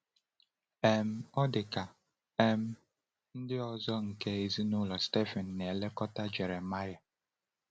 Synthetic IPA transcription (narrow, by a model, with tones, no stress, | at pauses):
e˨m̩˦ɔ˦dɪ˨ka˨ | e˦m̩˦ | n̩˦dɪ˦ɔ˨zɔ˦ŋ̩˨ke˦e˨zi˦nʊ˦lɔ˨ste˦fɛ˨n̩ː˨e˨le˦kɔ˦ta˦d͡ʒe˨ɾe˨ma˦ja˨